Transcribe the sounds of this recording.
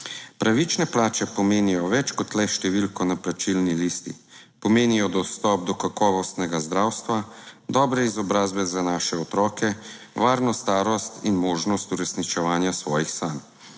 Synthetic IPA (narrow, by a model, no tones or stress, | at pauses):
pɾʔaʋit͡ʃnɛplaːt͡ʃɛpɔmeːnijɔʋɛt͡ʃkɔt̪lɛʃt̪ɛʋilkɔnaplat͡ʃilnilist̪ḭpɔmeːnijɔd̪ɔst̪ɔp̚d̪ɔkakɔːʋɔst̪nɛɡazd̪ɾaːwst̪ʋad̪ɔbɾɛizɔbɾaːzbɛzanaːʃɛɔt̪ɾɔːkɛ | ʋaːɾnɔst̪aːɾɔst̪inmoːʒnɔst̪uɾɛsnit͡ʃɛʋaːnjasʋɔːjixsaːm